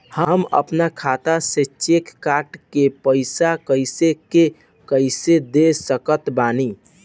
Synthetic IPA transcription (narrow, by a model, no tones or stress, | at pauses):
həmə̰pnakʰat̪aset͡ʃekːaʈkepəɪsakəjseke | kəjsed̪esəkət̪bani